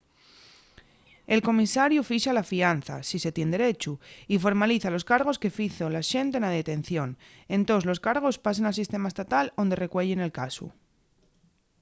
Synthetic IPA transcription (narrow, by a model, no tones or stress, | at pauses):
e̞lko̞misaɾjufiʃalafian̟θa̰sise̞t̪je̞nd̪eɾe̞t͡ʃuifo̞ɾmaliθalo̞skaɾɣ̞o̞ske̞fiθolaʃe̞nt̪e̞naðet̪e̞n̟θjo̞n | ẽ̞nt̪o̞zlo̞skaɾɣ̞o̞spas̬enals̬ist̪e̞maest̪at̪alond̪e̞re̞kwe̞ʎene̞lkasṵ